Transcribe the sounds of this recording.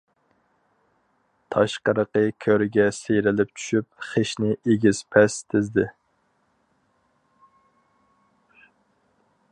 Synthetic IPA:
t̪ʰɑʃqəɾəqəkʲʰøɾɡʲɛsejɾɪlɪp̚t͡ʃʰy̥ʃyp̚χeʃnɪʔeɡʲiz̥pʰɛst̪ʰɪzd̪ɪ

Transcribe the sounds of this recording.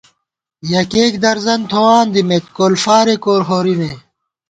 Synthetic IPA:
jɐkeːkd̪ɐɾzɐnt̪ʰowaːnd̪imet̪koːlfaːɾekoːɾɦoɾime

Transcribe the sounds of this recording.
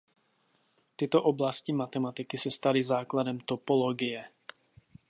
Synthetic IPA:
t̪ɪt̪oʔoblascimat̪ɛmat̪ɪkisɛst̪alizaːkladɛmt̪opoloɡijɛ

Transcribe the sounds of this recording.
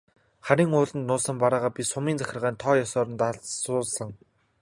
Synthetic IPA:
χæɾʲiːŋʊːɮə̆nt̪nʊːsə̆mpaɾaːʁaːpʲisʊmiːnt͡sæxʲɪ̆rʁæːnt̪ʰɔːjɔsɔːɾə̆nt̪aɮsʊːɮsə̆ŋ

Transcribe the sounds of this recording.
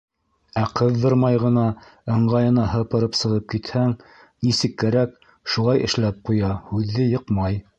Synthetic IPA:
æqɤðːɤɾmɑjʁɤ̆nɑɤ̆ɴɢɑjɤ̆nɑɦɤ̆pɤ̆ɾɤpsɤ̆ʁɤp̚kit̪hæŋ | nisɘkːæɾæk | ʃulˠɑjʔɘ̆ʃlæp̚qujɑhʉðːɘjɤ̆qmɑj

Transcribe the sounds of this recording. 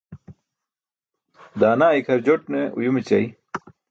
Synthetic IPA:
d̪aːnaːikʰɐɾd͡ʑoʈ̚neṵjumit͡ɕɐj

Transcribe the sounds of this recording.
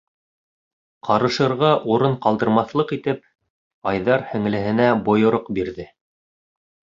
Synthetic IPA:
qʰɑɾɤ̆ʃɤ̆ɾʁɑʔuɾɤɴqɑlˠd̪ɤ̆ɾmɑθlˠɤqit̪ɘp̚ | ɑjðɑɾhɘ̆ŋ̆lɘ̆ɦɘ̆næbŏjŏɾoqbiɾðɘ

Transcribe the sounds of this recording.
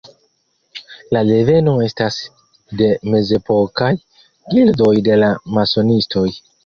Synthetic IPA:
lale̞ve̞no̞e̞stas | de̞me̞ze̞po̞kaj | ɡildo̞jde̞lamaso̞nisto̞j

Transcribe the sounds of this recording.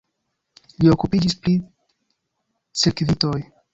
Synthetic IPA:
lio̞kupid͡ʒispɾi | sekvito̞j

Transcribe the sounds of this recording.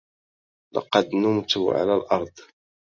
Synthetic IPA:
lɑ̰qɑd̪nʊmt̪ʊʕa̰lælʔɑɾˤd̪ˤ

